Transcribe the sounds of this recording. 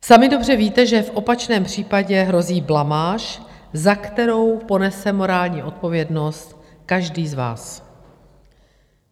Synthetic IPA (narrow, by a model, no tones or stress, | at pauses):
samɪdo̞br̝ɛviːt̪ɛʒɛfʔo̞pat͡ʃnɛːmpr̝̥iːpaɟɛɦɾo̞ziːblamaːʃzakt̪ɛɾo̞wpo̞nɛsɛmo̞ɾaːlɲiːʔo̞t̪̚po̞vjɛdno̞st̪ | kaʒdiːzva̰ːs